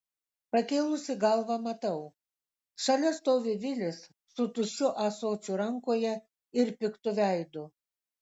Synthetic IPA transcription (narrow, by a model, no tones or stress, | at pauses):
pɐkʲeːlˠʊsʲɪɡɐlˠʋɐmɐt̪ɐʊ | ʃɐlʲɛst̪oːʋʲɪʋʲɪlʲɪsːʊt̪ʊʃʲʊʔɐsoːt͡ʃʲuɾɐŋkoːjɛ | ɪɾpʲɪkt̪ʊʋʲæɪd̪ʊ